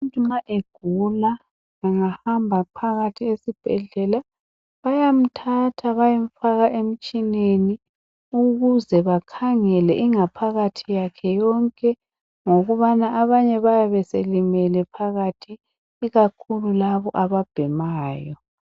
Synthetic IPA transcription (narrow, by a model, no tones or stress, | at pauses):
muntʼumaʔeɡ̥ʱula | ŋaŋahambʱapʰaɣatʰiesib̥ʱɛɮɛla | βajam̩tʰatʰaβajeɱ̩faɣaʔem̩t͡ʃʼineni | uɣuzɛβakʰaŋɛlɛʔiŋapʰaɣatʰijakʰɛjɔŋkʼɛ | ŋoɣuβanaʔaβaɲɛβajaβɛselimɛlɛpʰaɣatʰiː | ɣakʰululaβɔʔaβab̥ʱɛmaːjɔ